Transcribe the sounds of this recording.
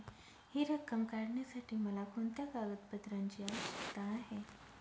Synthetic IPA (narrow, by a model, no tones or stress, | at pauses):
hiːɾəkːəmkaɾɳjasaʈʰiːməlakʰont̪jakaɡət̪̚bət̪ɾãɲt͡ɕiːaʋəʃə̥kt̪aːɦe